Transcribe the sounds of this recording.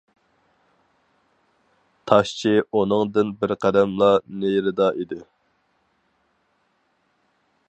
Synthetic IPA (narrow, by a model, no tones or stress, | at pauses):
t̪ʰɑʃt͡ʃʰiunɨŋd̪ɨnbɪɾqʰæd̪ɛmlˠɑneɾɪd̪ɑʔid̪ɪ